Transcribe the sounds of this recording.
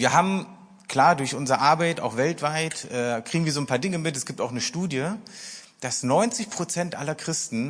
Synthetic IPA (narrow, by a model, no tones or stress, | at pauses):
viːɐɦaːbm̩ | kl̥aːɐdʊɐçʔʊnzəʁəʔaɐbaɪta̰ʊxv̥ɛltv̥aɪtʔɛːkʁ̥iːɡŋ̩viɐzoːnpʰaːɐdɪŋəmɪtɛsɡ̥iːp̚taʊxnəʃtuːdjə | d̥asnɔʏnt͡sɪçpʁ̥ot͡sɛntʔalɐkʁ̥ɪstn̩